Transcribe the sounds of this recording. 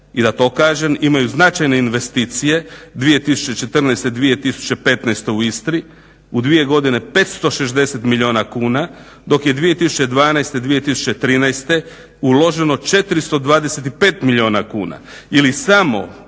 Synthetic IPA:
id̪at̪o̞ːkaːʒe̞mimajuznat͡ʃajne̞inʋe̞st̪it̪sije̞d̪ʋije̞t̪isu̥t͡ɕe̞t͡ʃe̞t̪r̩najst̪ed̪ʋije̞t̪isu̥t͡ɕe̞pe̞t̪najst̪e̞uist̪ɾi | ud̪ʋije̞ɡo̞d̪ine̞pe̞t̪st̪o̞ʃezd̪e̞set̪milʎʲio̞ːnakuːna | d̪o̞kje̞d̪ʋije̞t̪isut͡ɕe̞d̪ʋaːnajst̪ed̪ʋije̞t̪isu̥t͡ɕet̪ɾiːnajst̪e̞ | ulo̞ʒe̞no̞t͡ʃe̞t̪ɾist̪o̞d̪ʋaːd̪eset̪ipeːt̪miʎʲio̞ːnakuːna̰ | ilisamo̞̰

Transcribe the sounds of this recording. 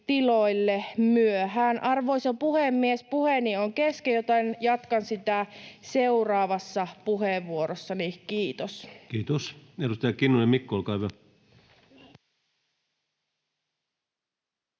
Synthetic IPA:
t̪iloilːemyøɦænʔɑrʋoisopuhemːiespuhenioŋkeskejot̪ɑnjɑt̪kɑnsit̪æseurɑːʋɑsːɑpuɦeʋːuoɾosːɑnikiːt̪oskiːt̪osedust̪ɑjɑkinːujɑmikːolkɑiʋɑ

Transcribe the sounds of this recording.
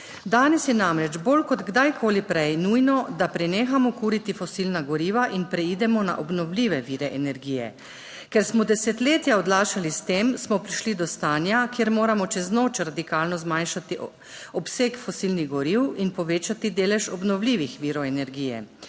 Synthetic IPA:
d̪aːnɛsjɛnamɾɛd͡ʒbolkɔd̪ɡd̪ajkʰoːlipɾɛjnuːjnɔd̪apɾɛneːxamɔkuːɾit̪ifɔsilnaɡɔɾiːʋaʔinpɾɛid̪ɛmɔna̰ʔɔbnɔwliːʋɛʋiːɾɛʔɛnɛɾɡiːjɛ̰ | kɛɾsmɔd̪ɛsɛt̪leːt̪jaɔd̪laːʃalist̪eːmsmɔpɾiʃlid̪ɔst̪aːnjakjeːɾmoːɾamɔt͡ʃɛznoːt͡ʃɾad̪ikaːlnɔzmanʃat̪i | ɔpseːkfɔsilniɣɡɔɾiwinpɔʋeːt͡ʃat̪id̪eːlɛʃɔbnɔwliːʋixʋiːɾɔɛnɛɾɡiːjɛ̰

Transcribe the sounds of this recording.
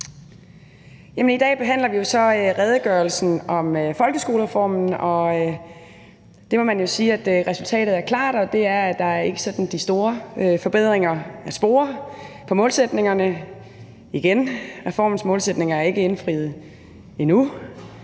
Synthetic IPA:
jæmənid̥ɛ̰ːb̥e̝ɦæn̰lɐʋijo̝sɒ̽øʁɛð̞ˠəɡ̥ɶɐlsn̩ɒ̽møfɒ̽lɡ̥əsɡ̥o̝ːləʁɛfɒ̰ːmn̩ɒ̽ | d̥e̝mɒ̽mænjo̝siːæd̥ʁɛsult͡sʰɛ̰ːɾ̥ð̩ˠæɐkʰlɑ̰̈ːd̥ɒ̽d̥e̝æɐ̥ɑ̈æɐe̝ɡ̥əsɒ̽d̥n̩d̥isd̥o̝ːɐøfɒ̽b̥e̝ð̞̰ˠʁeŋɐæsb̥o̝̰ːɐpʰɒ̽mɔ̽ːlsed̥ne̝ŋɐnə | iɡ̥enʁɛfɒ̰ːmn̩smɔ̽ːlsed̥ne̝ŋɐæɐe̝ɡ̥əe̝nfʁið̞̩ˠ | inu

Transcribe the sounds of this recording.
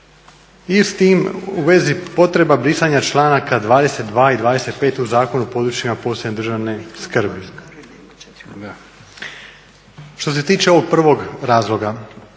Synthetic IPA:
ist̪iːmuʋe̞zipo̞t̪ɾe̞babɾisaɲat͡ʃlˠaːnakad̪ʋaːd̪e̞se̞t̪̚d̪ʋaːid̪ʋaːd̪e̞se̞t̪̚pe̞ːt̪uzaːko̞nupo̞d̪ɾut͡ʃimapo̞ːsned̪ɾr̩ʒaʋne̞skr̩bi | ʃt̪o̞s̬e̞t̪iːt͡ʃeo̞ʋo̞ɡ̚pr̩ʋo̞ɡɾaːzlˠo̞ɡa

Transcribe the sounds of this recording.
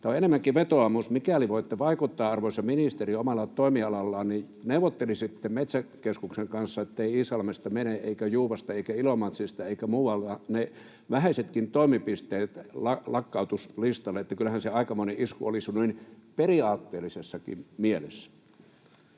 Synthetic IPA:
t̪oenemːæŋkiʋet̪oɑmusmikæliʋoˑit̪ːeʋɑikut̪ːɑːɑrʋoisɑminist̪eriomɑlːˑɑt̪oˑimiɑlɑlːɑːnni | neuʋot̪ːelisit̪ːemmet̪sækeskukseŋkɑnsːɑet̪ːeiiːsɑlmest̪ɑmeneʔeikæjuːʋɑst̪ɑeˑikæilomɑt̪sist̪ɑeikæmuːwɑlt̪ɑne | ʋæhæˑset̪kint̪oˑimipist̪eːt̪lɑlɑkːɑut̪uslist̪ɑlːeet̪ːækylːæhænseɑikɑmoneʔiskṵolisnuinperiɑːt̪ːeːlːisesːɑkḭmmielḛsːæ̥

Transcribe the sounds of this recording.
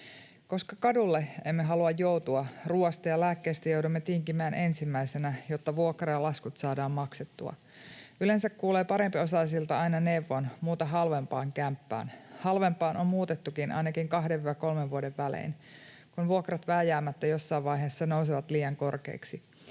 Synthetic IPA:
ko̞skɑkɑdulːeemːeɦɑluɑjːout̪uɑruːɑst̪ɑjɑlæːkːeːst̪æjowdumːet̪iŋkimæːnʔe̞nsimːæisenæjot̪ːɑʋuokrɑjɑlɑskut̪sɑːdɑːmmɑkset̪ːuɑ̰ | yle̞nsækkuːleːpɑɾe̞mpio̞sɑlis̬ilt̪ɑɑinɑne̞ʋːonmuːt̪ɑɦɑlʋempɑːŋkæmpːæ̰ːnhɑlʋe̞mpɑːnʔommuːt̪et̪ːukinʔɑ̰jnɑkiŋkɑɦdeʋʋɑko̞lmeʋʋuodeʋʋælḛːn | kunʋuokrɑt̪ʋæːjæːmːæt̪ːæjo̞sːɑːʋʋɑjɦeːsːɑnows̬iʋɑt̪liːjɑŋko̞rkḛːksi

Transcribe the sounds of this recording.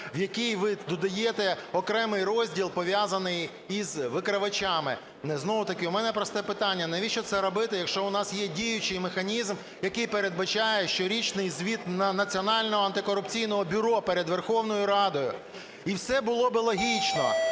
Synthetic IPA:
wjɐkʲijʋɪd̪ɔd̪ɐjɛt̪ɛɔkɾɛmɪjrɔzʲdʲilˠpɔʋʲjazɐnɪj | izʋɪkɾɐʋɐt͡ʃɑmɪ̰ | nɛznɔwʊt̪ɐkɪʊmɛnɛpɾɔst̪ɛpɪt̪ɑnʲːɐnɐʋʲiʃt͡ʃɔt̪sɛɾɔbɪt̪ɪjɐkʃt͡ʃɔʊnɑsjɛdʲijʊt͡ʃɪjmexɐnʲizm | jɐkɪjpeɾed̪̚bɐt͡ʃɑjɛʃt͡ʃɔɾʲit͡ʃnɪjzʲʋʲit̪nnɐt͡sʲiɔnɑlʲnɔɦɔɐnt̪ɪkɔɾʊpt͡sʲijnɔɦɔbʲʊɾɔpeɾed̪ʋerxɔwn̪ɔjʊɾɑd̪ɔjʊ̰ | iwsɛbʊlˠɔbɪlˠɔɦʲit͡ʃnɔ̰

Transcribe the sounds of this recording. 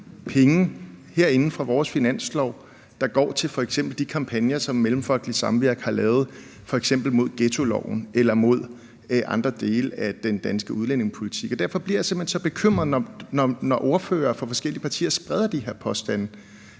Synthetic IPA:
pʰeŋn̩heɐ̰e̝nn̩fʁɑ̈ʋɒːsfinæn̰slɒʊ̰ | d̥ɑ̈ɡ̥ɒ̰ːt͡sʰe̝lfɒ̽eɡ̥sem̰b̥l̩d̥ikʰɑ̈mpʰænjɐsɒ̽mːelm̩fɒ̽l̰ɡ̥lisɑ̈mʋiɐ̰ɡ̥hɑ̈lɛːʊð̩ˠ | fɒ̽eɡ̥sem̰b̥l̩mo̝ð̞̰ˠɡ̥et͡sʰo̝lɒ̰ʊ̰n̩elɐmo̝ð̞̰ˠ | əʔɑ̈nd̥ʁɐd̥e̝ːləæd̥end̥ænsɡ̥əuð̞ˠlen̰e̝ŋspʰo̝lit͡sʰiɡ̥ɒ̽d̥æɐfɒ̽b̥liɐjäse̝m̥hensɒ̽b̥e̝kʰøm̰ʁɐð̩ˠnɒnɒnɒʔo̝ɐfø̰ːɐːfɒ̽fɒ̽sɡ̥el̰ipʰɑ̈t͡sʰḭːɐsb̥ʁɛð̞ˠɐd̥iɦe̝ɐ̰pʰɒ̽sd̥æn̰

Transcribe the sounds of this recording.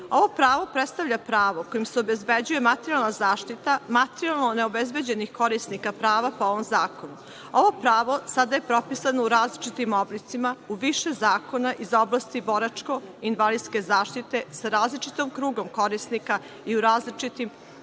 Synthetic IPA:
o̞ʋo̞pɾaːʋo̞pɾet̪st̪aʋʎapɾaːʋoko̞jimseobe̞zbe̞d͡ʑuje̞mat̪eɾialˠnazaːʃt̪it̪amat̪eɾialˠnone̞obezbed͡ʑenixko̞ɾisnikapɾaːʋapoo̞ʋo̞mzaːko̞nu | o̞ʋo̞pɾaːʋo̞sad̪aje̞pɾo̞pisanouɾaːzlit͡ʃit̪imo̞blit̪simauʋiʃe̞zaːko̞naʔizo̞blˠast̪ibo̞ɾat͡ʂko̞inʋalid̪ske̞zaːʃt̪it̪e̞saɾaːzlit͡ʃit̪omkɾuːɡomko̞ɾisnika | iuɾaːzlit͡ʃit̪im

